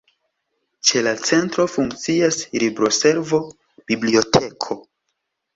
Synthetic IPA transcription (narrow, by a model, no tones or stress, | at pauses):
t͡ʃe̞lat͡se̞ntɾo̞fuŋkt͡siaslibɾo̞se̞ɾvo̞ | b̥iblio̞tʰe̞kʰo̞